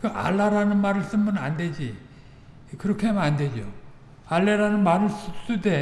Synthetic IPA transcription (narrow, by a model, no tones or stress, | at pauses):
kɯʔa̰ɭːaɾanɯnmaɾɯɭs͈ɯnmɯna̰nde̞d͡ʑi | kɯɾʌkʰeamnande̞d͡ʑo | aɭːe̞ɾanɯnmaɾɯɭs͈ɯs͈ude̞